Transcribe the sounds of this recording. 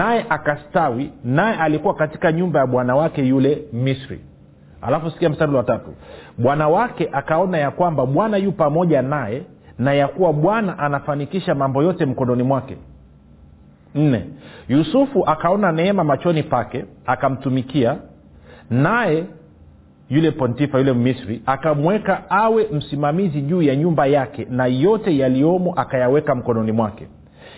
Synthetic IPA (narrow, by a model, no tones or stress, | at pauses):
najɛʔakastawinajɛʔalikuwakati̥kaɲumbajaɓwanawakɛjulɛmisɾḭ | ha̰lafusi̥kiam̩staɾulwatatuɓwanawakɛʔakaɔnajakwambaɓwanajuːpamɔʄanajɛ | najakuwaɓwanaʔanafanikiʃamambɔjɔtɛm̩kɔnɔnimwakɛ̰ | n̩nɛ̰jusufuʔakaɔnanɛɛmamat͡ʃɔnipakɛakam̩tumikia | najɛ | julɛpɔntifajulɛmmisɾiakamwɛkaawɛm̩simamiziʄuːjaɲumbajakɛnajɔtɛjaliɔmɔʔakajawɛkam̩kɔnɔnimwakɛ